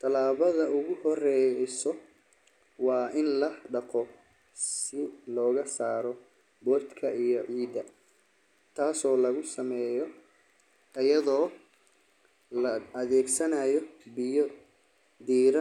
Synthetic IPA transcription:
t̪ʰɐlaːβɐðɐʊɣʊhɔrɛsɔ | wɑːʔɪnlɐɖɑqɔ | sɪlɔːɣɐsaːɾɔ | bɔːrt̪kʰɐijɔʕiːd̪ɐ | t̪ʰaːsɔːlɐɣʊsɐmɛːjɔ | ɐjɐðɔː | lɐɐðɛːɡsɐnajɔbɪjɔ | d̪iːɾɐ

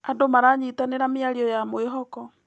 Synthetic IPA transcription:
adomaɾaɲitaneɾameaɾiɔjamoeɦɔkɔ

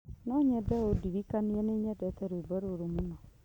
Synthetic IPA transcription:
nɔɲɛdɛodiɾikaniɛneːɲɛdɛtɛɾeibaɾoɾomunɔ

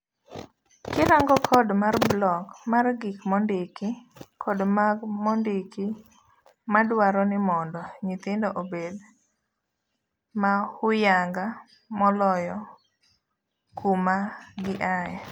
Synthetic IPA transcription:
kɪɾaŋɡɔkʰɔdmarblɔkmarɡikmɔndɪkɪkʰɔdmaɡmɔndɪkɪ | madwaɾɔnɪmɔndɔɲit̪ɪndɔʔobed | mahʊjaŋɡa | mɔlɔjɔ | kumaɡɪʔajɛ

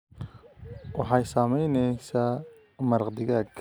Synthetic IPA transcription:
wɑħɑjsaːmɛjnɛjsaː | mɐɾqd̪ɪɣaːɡ

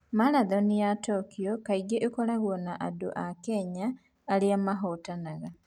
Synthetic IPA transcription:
maɾaðonijatoːkiokaiɡeʔekolaɣwonaʔado̰ʔakeɲaː | liamaɦotanaɣa

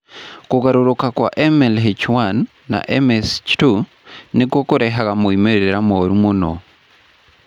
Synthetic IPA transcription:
kuɣaɾuɾukakwaʔemelɦit͡ʃwanː | a̰ʔemest͡ʃtu | nikwokuɾeɦaɣamuimeɾeɾamoːɾumuno̰

